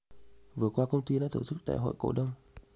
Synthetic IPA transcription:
vɨ˨˩əkwaː˧kə˧wŋ͡mt̪i˧ɗa̰ː˧˥t̪ʰo˧˩sɨ˦˥k̚ɗ̪a̰ː˧˨jɦo̰˧˨jko˧˩ɗə˧wŋ͡m

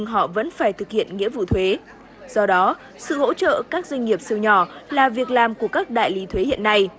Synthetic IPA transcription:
ŋɦɔ̰˧˨və̰˧˥nfaː˧˩jt̪ʰɨ˨˩k̚hḭ˧˨ənŋḭ˧˥əvṵ˧˨t̪ʰwe˨˦ | z̥ɔ˧ɗɔ˨˦ | sɨ̰˧˨ho̰˧˥t͡ɕə̰ː˧˨kaː˦˥k̚zwjŋ̟ŋi˨˩əp̚si˧wɲɔ˧˩laː˨˩vi˨˩ək̚laː˨˩mku˧˩əkaː˦˥k̚ɗa̰ː˧˨jli˨˦t̪ʰwe˨˦hḭ˧˨ənːa˧j

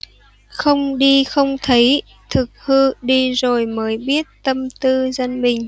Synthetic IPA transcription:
xə˧wŋ͡mɗi˧xə˧wŋ͡mt̪ʰə˨˦j | t̪ʰɨ˨˩k̚hɨ˧ɗi˧zo˨˩jməː˨˦jɓi˦˥ət̚t̪ə˧mt̪ɨ˧zə˧nɓï˨˩ŋ̟

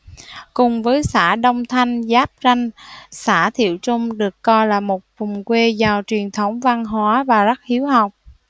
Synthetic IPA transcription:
kʊ˨˩ŋ͡mvəː˨˦jsaː˧˩ɗə˧wŋ͡mt̪ʰa˧jŋ̟zaː˦˥p̚za˧jŋ̟saː˧˩t̪ʰḭ˧˨əwt͡ɕʊ˧ŋ͡mɗɨ˨˩əkːɔ˧jlaː˨˩mo˨˩t̚vʊ˨˩ŋ͡mkwe˧zaː˨˩wt͡ɕwi˨˩ənt̪ʰə˨˦wŋ͡mva˧ŋɦwaː˨˦vaː˨˩za˦˥k̚hi˨˦əwɦa˨˩wk͡p̚

